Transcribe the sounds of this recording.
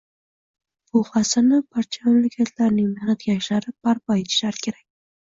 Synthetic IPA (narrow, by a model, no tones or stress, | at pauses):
b̥ʊχasanɪbaɾt͡ʃʰamamlakʲʰat̪ʰlaɾnɪŋmɪhnat̪̚ɡʲaʃlaɾɪb̥aɾpʰɒet̪ʰɪ̥ʃlaɾɪkʲʰe̞ɾak̚ʲ